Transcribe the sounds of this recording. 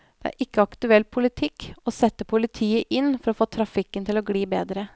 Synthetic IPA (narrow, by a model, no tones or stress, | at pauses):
d̪̥ɛæ̰ːɾʔɪkːəɑkt̪ʉɛlːpʰʊlɪt̪ʰɪkːosɛt̪ːəpʰʊlɪt̪ʰiːəʔɪnːfɔɾɔːfoːt̪ʰɾɑfɪkːənt̪ɪloɡɽiːbḛːd̪ɾə